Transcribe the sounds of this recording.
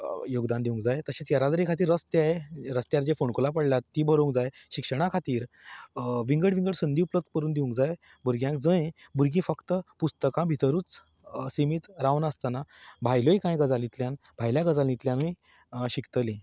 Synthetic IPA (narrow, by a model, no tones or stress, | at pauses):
joɡd̪and̪iʋũŋkd͡zajt̪əɕẽt͡sjəɾad̪ɾikʰat̪iːɾəst̪jaeɾəst̪jaɾd͡ʑefoɳkolap̬əɽljat̪ːibʱəɾoŋd͡zajɕikʂəɽ̃akʰat̪iːɾ | ʋiŋɡəɽʋiŋɡəɽsənd̪iupləd̪̚kəɾuːnd̪iʋũŋkd͡zaj | buɾɡjãkd͡zə̃jbuɾɡĩːfəkt̪əpust̪əkãbʱit̪əɾuːt͡s | simiːt̪ɾaʋnəst̪anabʱajlojkãjɡəd͡zalĩt̪ljãn | bʱajljaɡəd͡zalĩt̪ljãnəj | ɕikt̪əlĩ